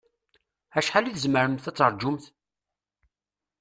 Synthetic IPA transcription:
æʃħaliθəzməɾəmθæt͡sːəɾˤd͡ʒʊmθ

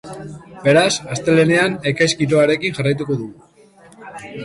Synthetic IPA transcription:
be̞ɾasast̪e̞le̞ne̞ane̞kajskit̪oaɾe̞kinʝarajt̪̬uko̞ðu

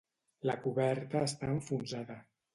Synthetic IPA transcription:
lakuβɛɾt̪əːst̪aəɱfunzaðə

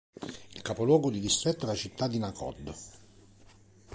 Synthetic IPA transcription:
ilkapolwɔːɡod̪id̪ist̪ɾɛt̪ːoalat͡ʃit̪ʰːad̪ːinakʰɔ̰d̪ːo

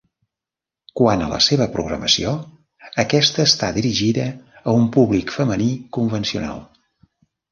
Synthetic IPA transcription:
kwanə̰lə̰seβ̞əpɾuɣɾə̰məsio | əkɛst̪əːst̪aðiɾiʒiðəːumpuβlikfəmənikumvənsiuna̰lˠ

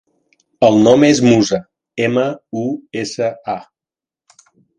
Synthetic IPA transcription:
əlˠnɔmezmuzə | eməuesəa

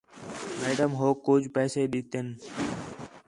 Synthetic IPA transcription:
meːɖəmɦoːkːʊd͡ʒʱpɛːseːɗɪt̪en

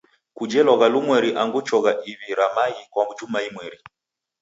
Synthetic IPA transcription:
kud͡ʒɛlɔɣalumwɛɾiʔaŋɡut͡ʃɔɣaʔiβiɾamaikwambut͡ʃumaimwɛɾi

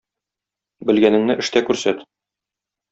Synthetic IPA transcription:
bɘ̆lɡænɘ̆ŋnɘʔɘ̆ʃt̪ækʉɾsæt̪

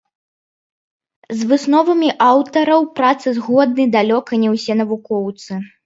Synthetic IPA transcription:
zvɨsnɔvɐmʲiʔawt̪ɐɾɐwpɾat̪sɨzɣɔd̪nɨjd̪alʲɔkɐnʲɛwsʲɛn̪ɐvukɔwt̪sɨ

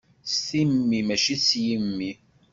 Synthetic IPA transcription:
sθimːimæʃisjəmːi

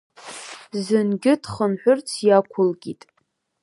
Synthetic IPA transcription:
zɨnɡʲɪdχənħʷᶣʊrt͡sʰjakʷʰʊlɡʲitʼ

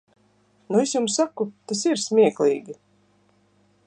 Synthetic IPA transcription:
nuesjumsːakut̪asiɾsʲmʲiɛklʲˠiːɡʲi

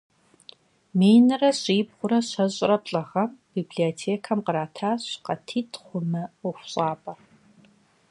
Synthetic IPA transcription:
meːjnɐrɐɕʼiːbʁʷʊɾɐɕɐʑʼrɐpɬʼɐʁɐmbiːbɮiotʰeːkʰɐmqəɾaːtʰaːɕqɐtʰiːtʰχʷʊmɐʊxʷɕʼaːpʼɐ

